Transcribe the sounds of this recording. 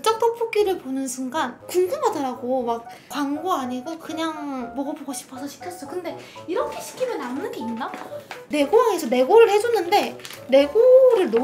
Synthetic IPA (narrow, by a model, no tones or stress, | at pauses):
t͡ɕ͈ʌk̚t͈ʌpʰok͈iɾɯɭponɯnsʰuŋɡankuŋɡɯmɦadʌɾaɡomak̚ | kwaŋɡoaɲiɡokɯɲaŋmʌɡʌboɡoɕʰi̥pʰʌsʰʌɕʰi̥kʰjʌs͈ʌkɯnde̞iɾʌkʰe̞ɕʰi̥kʰimjʌnːamnɯnɡeinnane̞ɡowaŋesʰʌne̞ɡoɾɯɭhe̞d͡ʑunːɯnde̞ne̞ɡoɾɯɭno